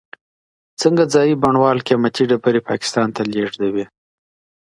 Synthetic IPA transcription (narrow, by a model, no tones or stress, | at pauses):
t͡səŋɡad͡zɑjibaɳwɑlkeamat̪iɖapəɾepɑ̰kɪ̥st̪ɑnt̪aleʐd̪awi